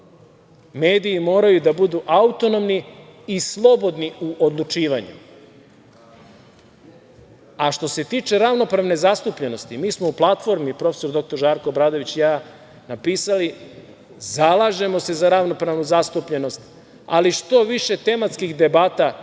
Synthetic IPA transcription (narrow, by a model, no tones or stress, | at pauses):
meːd̪iːmo̞ːɾajud̪abud̪uʔaut̪o̞no̞mniislˠo̞bo̞d̪niuʔod̪lˠut͡ʃiːʋaɲṵ | aʃt̪o̞se̞t̪iːt͡ʃe̞ɾaʋno̞pɾaʋne̞zast̪upʎe̞no̞st̪imiːsmo̞uplˠat̪fo̞ɾmipɾo̞feso̞ɾd̪o̞k̚t̪o̞ɾʒaːɾkoːbɾaːd̪o̞ʋit͡ɕjaː | napiːsali | zalˠaʒe̞mo̞se̞zaɾaʋno̞pɾaʋnuzast̪upʎe̞no̞st̪ | a̰liʃt̪o̞ʋiʃe̞t̪e̞mat̪skixd̪e̞baːt̪a